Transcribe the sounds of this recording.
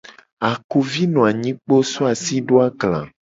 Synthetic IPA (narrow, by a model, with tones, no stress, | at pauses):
a˨ku˨vi˦nɔ̃˨a˨ɲĩ˦k͡po˦so˦a˨si˦ɖo˦a˦ɡlã̰˨